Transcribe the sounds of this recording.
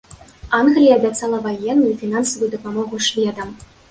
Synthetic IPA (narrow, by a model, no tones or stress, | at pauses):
anɣlʲijɐːbʲat̪sɑlˠɐvajɛnːujufʲinansɐvujud̪ɐpamɔɣuʂvʲɛd̪ɐm